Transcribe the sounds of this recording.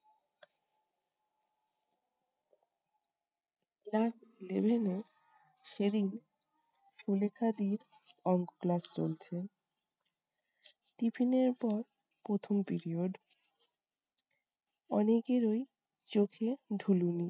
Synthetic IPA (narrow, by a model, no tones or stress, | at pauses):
klaslebʱene | ʃeɾin | ʃulekʰad̪iɾ | ɔŋɡoklast͡ɕo̰lt͡ɕʰe | ʈipʰineɾpɔɾ | pɾot̪ʰompiɾioɖ | ɔnekeɾoj | t͡ɕokʰeɖʱuluni